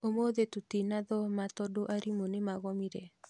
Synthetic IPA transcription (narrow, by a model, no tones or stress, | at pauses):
omoðet̪ut̪inaðɔmat̪ɔdoʔaɾimonɪmaɣɔmiɾe